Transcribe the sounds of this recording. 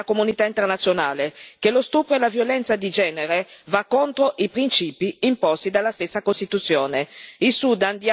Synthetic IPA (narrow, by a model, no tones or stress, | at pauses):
akomunit̪aint̪ernat̪sːjonaːlekelost̪uːpɾoɛlavjolɛnt̪sad̪id͡ʒɛːneɾevakːont̪ɾoʔipɾint͡ʃiːpiimpɔst̪id̪alːast̪esːakost̪it̪ut̪sːjɔːneisud̪and̪ja